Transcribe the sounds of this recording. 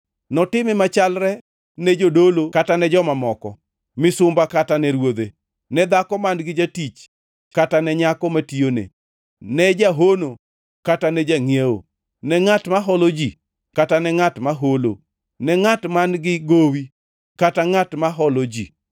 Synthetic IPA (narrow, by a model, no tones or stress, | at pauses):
nɔtɪmɛmat͡ʃalɾɛ | nɛd͡ʒodolokatanɛd͡ʒɔmamɔkɔ | mɪsʊmbakatanɛɾwod̪e | nɛd̪akɔmanɡɪd͡ʒatit͡ʃ | katanɛɲakɔmationḛ | nɛd͡ʒaɦono | katanɛd͡ʒaŋieo̰ | nɛŋatmaɦɔlod͡ʒi | katanɛŋatmaɦolo̰ | nɛŋatmanɡɪɡowi | kataŋatmaɦɔlod͡ʒḭ